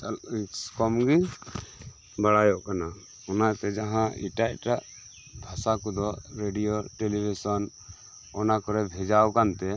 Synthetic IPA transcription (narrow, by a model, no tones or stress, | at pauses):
skɔmɡi | baɽajɔʔkana | ɔnat̪ɛd͡ʒaɦãḭʈaj̚ʈaʔ | bʱasakɔd̪ɔɾeɖijoʈelibʱisɔn | ɔnakɔɾɛbʱɛd͡ʒawkant̪ɛ